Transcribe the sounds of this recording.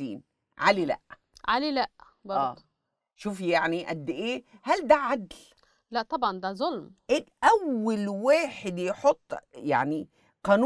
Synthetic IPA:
ḭːn | ʕalilæ̰ʔ | ʕalilæʔ | bɑæːˤ | ʃuːfjaʕniʔæd̪ːʔeːhæld̪æʕad̪l | læʔt̪ˤɑbʕɑnd̪æzˤolmʔeʔæwːalwaːħɪd̪jħot̪ˤːja̰ʕni | qɑːnu

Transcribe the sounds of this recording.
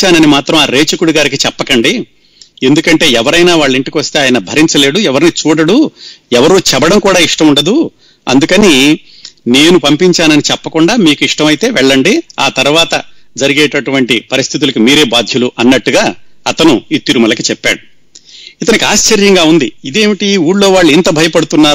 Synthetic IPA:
t͡ʃaːnɐnimaːt̪ɾɐmaːɾe̞ːt͡ʃɐkuɽuɡaːɾikit͡ʃɛpːɐkɐɳɖi | e̞nd̪ukɐɳʈe̞ːɛʋɐɾɐjnaːʋaːɭːiɳʈikiʋɐst̪e̞aːjɐnɐbʱɐɾiɲt͡ʃɐle̞ːɽuɛʋɐɾnit͡ʃuːɽɐɽuɛʋɐɾuːt͡ʃɛbɐɽɐmkuːɽaːiʂʈɐmuɳɖɐd̪u | ɐ̰nd̪ukɐni | ne̞ːnupɐmpiɲt͡ʃaːnɐnit͡ʃɛpːɐkuɳɖaːmiːkuiʂʈɐmɐjit̪e̞ːʋɛɭːɐɳɖia̰ːt̪ɐɾuʋaːt̪ɐd͡ʒɐɾiɡɛːʈɐʈuʋɐɳʈipɐɾist̪ʰit̪̬ulɐkimiːɾe̞ːbaːd̪ʱjɐluʔɐnːɐʈːuɡaːɐt̪ɐnuiːt̪ːiɾumɐlɐkit͡ʃɛpːa̰ːɽu | it̪̬ɐnikiaːʃt͡ʃɐɾjɐŋɡaːund̪iid̪e̞ːmiʈiuːɽlo̞ːʋaːɭːuint̪ɐbʱɐjɐpɐɽut̪unːaː

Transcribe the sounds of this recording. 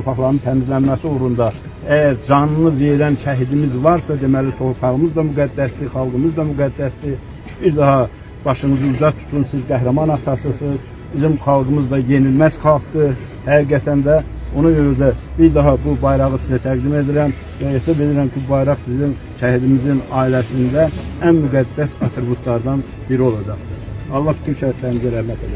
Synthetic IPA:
t̪ʰoɾpʰɑχlˠɑɾnɯnt̪ʰæmizlænmæsioɾund̪ɑ | æjæɾd͡ʒɑnɯnɯveɾænʃʰæɦid̪imizvɑɾsɑd̪emælit̪ʰohɾpʰɑʁɯmɯzd̪ɑmyɡæd̪ːæsd̪iχɑlˠɡɯmɯzd̪ɑmyɡæd̪ːæsd̪i | biɾd̪ɑɦhɑ | b̥ɑʃɯŋɯzɯuzɑt̪ʰu̥t̪ʰunsizɡæɦɾæmɑnɑt̪ʰɑsɯsɯz | b̥izimχɑlˠɡɯmɯzd̪ɑje̞nilmæzχɑlˠχt̪ɯ | h̪æiɡæt̪ʰænd̪æonɑjønyd̪æbiɾd̪ɑɦɑbubɑjɾɑʁɯsizæt̪ʰæɡd̪ime̞d̪iɾæm | væjesɑbed̪iɾæmcʰibubɑjɾɑχsizin | ʃæhid̪imizinɑːilæsind̪æænmyɡæd̪ːæsɑt̪ʰɾibjut̪ʰlˠɑɾd̪ɑn | b̥iɾio̞lˠɑd͡ʒɑχt̪ɯɾɑlˠːɑhbit̪ʰynʃæt̪ʰlæɾmizæɾæhmæt̪ʰed̪æ̰

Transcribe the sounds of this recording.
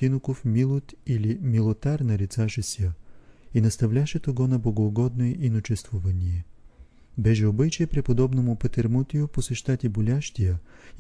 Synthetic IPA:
t̪inokofmilˠot̪ilimilˠot̪aɾnɐɾit̪saʃɛsʲəinɐst̪ɐvlʲaʃɛt̪oɡɔnɐbˠoɡoːɡɔd̪̚nojɛʔinot͡ʃɛst̪vʊvɐnʲijɛ | bɛʒɛobɨt͡ʃijɛpɾɛpod̪ɔbnomʊpɐt̪ɛɾmut̪ʲijʊposɛʃt̪at̪ʲibolʲaʃt̪ʲijə

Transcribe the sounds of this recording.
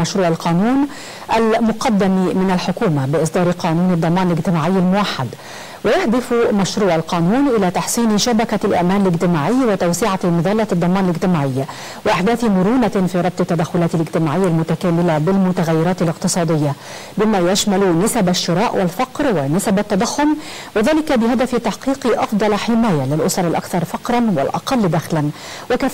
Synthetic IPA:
aʃɾuːʕalqʰɑːnuːn | ʔælmʊqɑd̪ːamimɪnalħʊkuːmabɪʔɨsˤd̪ɑːɾˤqɑːnuːnɑd̪ˤːɑmɑːnɪlɪɡt̪ɪmaːʕɪjːalmʊwaħːad̪ | wɪjaħd̪ɪfmæʃɾuːʕalqɑːnuːnʔɪlæːt̪ɑħsˤiːnʃabækalʔæ̰ʔmæːnɪlɪɡt̪ɪmaːʕɪjːwɪt̪awsɪʕamɨðˤɑːlːɑd̪ˤːɑmɑːnɪlɪɡt̪ɪmaːʕɪjːa | wɪʔaħd̪æːθmʊɾuːnafiːɾˤɑb̚t̪ˤɪt̪ːad̪axːʊlaːt̪ɪlɪɡt̪ɪmaːʕɪjːalmʊt̪akaːmɪlabɪlmʊt̪aɣajːɪɾɑːt̪ɪlɪqt̪ɨsˤɑːd̪ɪjːa | bɪmaːjaʃmalnɪsabaʃːɪɾˤɑːʔwʔɪlfɑqɾwɪnɪsabat̪ːɑd̪ˤɑxːʊm | wɪðaːlɪkabɪɦad̪aft̪ɑħqiːqɨʔɑfd̪ˤɑlħɪmaːjalɪlʔʊsˤɑɾˤɪlʔa̰kθɑɾˤfɑqɾˤɑnwɪ̰lʔɑ̰qɑlːd̪æxlan | wɪka

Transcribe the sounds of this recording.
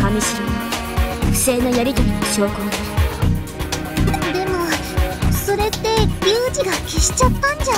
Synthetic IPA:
kamʲiɕi | ɯ̟se̞ːnojaɾʲit̪oɾʲiɲoɕiokonaɾ | d̪e̞mo̞ | so̞ɾe̞t̪ːe̞bʲiːd͡ʑiɡakʲeɕi̥t͡ɕat̪ːãɲ̟d͡ʑa

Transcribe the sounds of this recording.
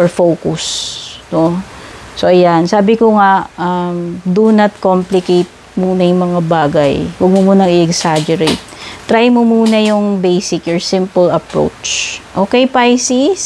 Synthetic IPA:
ʔɔɹfowkʊsnosoʔɐjansaːbɪkoŋaʔamd̪unɐt̪̚komplɪkejt̪̚ | muːnɐjʊŋmɐŋabaːɡɐjwɐɡ̚momuːnɐŋɪʔɛɡsad͡ʒɛɾejt̪̚ːɾajmomuːnɐjʊŋbɛjsɪkjɔɹsɪ̃mpɐlɐpɹo̰wt͡ʃʔoːkɛjpajsis

